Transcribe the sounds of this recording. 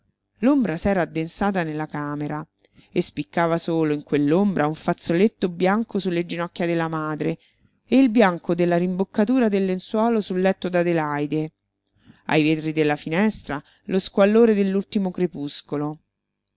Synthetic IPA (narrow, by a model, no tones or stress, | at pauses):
lombɾasɛːɾaːd̪ːensaːt̪̬anelːakaːmeɾa | espikːaːvasoːloiŋkwelːombɾʔauɱfat̪sːolet̪ːobjaŋkosulːed͡ʒinɔkːjad̪elːamaːd̪ɾe | eilbjaŋkod̪elːaɾimbokːat̪uːɾad̪elːenswɔːlosulːɛt̪ːod̪ad̪elajd̪e | a̰jveːt̪ɾid̪elːafinɛst̪ɾa | loskwalːoːɾed̪elːult̪imokɾepuskolo